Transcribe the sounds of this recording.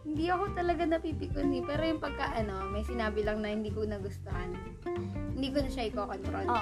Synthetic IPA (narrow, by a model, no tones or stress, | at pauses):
hɪnd̪iɐko̞t̪ɐlɐɡanɐpiːpɪkonːipɛːɾojʊŋpɐɡ̚kaʔɐno̞mɐjsɪnaːbɪlɐŋnɐhɪnd̪iːkonɐɡʊst̪ohɐn | hɪnd̪iːkonɐʃɐʔɪkokont̪ɾon